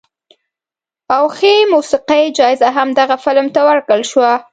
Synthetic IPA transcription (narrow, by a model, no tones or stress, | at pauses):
awxemusiqajd͡ʒɑɪzaɦamd̪aɣafɪlmt̪awəɾkəlʃwa